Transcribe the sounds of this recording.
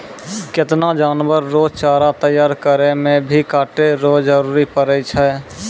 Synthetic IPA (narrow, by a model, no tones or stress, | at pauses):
kɪt̪nad͡ʒaːnwəɾːoːd͡ʒt͡ʃaːɾat̪əjaːɾkəɾemẽbʱikaːʈeɾoːd͡ʒəɾuːɾipəɾət͡ʃʰɛː